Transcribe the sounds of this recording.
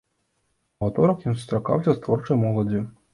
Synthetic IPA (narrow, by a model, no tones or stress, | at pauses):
vat̪ɔɾɐkjimsust̪ɾaka̰wsʲɐst̪vɔrt͡ʂɐjmɔlˠɐd͡zʲi